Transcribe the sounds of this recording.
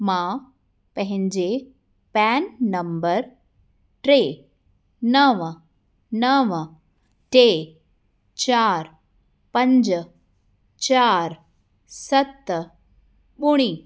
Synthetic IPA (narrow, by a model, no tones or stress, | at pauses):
mã | pəɦɪ̃ɲd͡ʑe | pɛːnːɐmbəɾ | ʈɾeː | nəʋ | nəʋ | ʈe | t͡ɕaːɾ | pɐ̃ɲd͡ʒ | t͡ʃaːɾ | sɐt̪ː | ɓuɽ̃iː